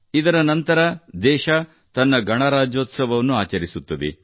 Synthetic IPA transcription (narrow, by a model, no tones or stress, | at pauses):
id̪ɐɾɐnɐnt̪ɐɾɐd̪ɛːʃɐ | t̪ɐnːɐɡʱɐɳɐɾaːd͡ʒoːt̪sɐʋɐʋɐnːuaːt͡ʃɐɾisut̪ːɐd̪ḛ